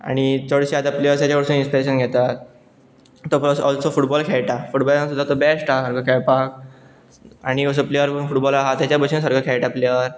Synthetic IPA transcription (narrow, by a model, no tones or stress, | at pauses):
a̰ɽ̃it̪ʰoɽɕiat̪aplejəɾst̪jat͡ɕaʋəɽsuːninspiɾeɕənɡʱet̪at̪ | t̪opɾɔsɔlsofuʈbɔlkʰɛɭʈafuʈbɔlasud̪ʱːat̪obɛsʈaasəɾɡəkʰɛɭpak̚ | aɽ̃iəs̬əplejəɾpənfuʈbɔlaɦat̪jat͡ɕjabʱəɕʰĩnsəɾɡʱəkʰɛɭʈaplejəɾ